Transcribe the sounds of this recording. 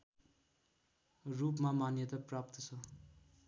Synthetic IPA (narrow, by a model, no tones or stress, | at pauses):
rupmamanjʌt̪ʌprapt̪ʌt͡sʰʌ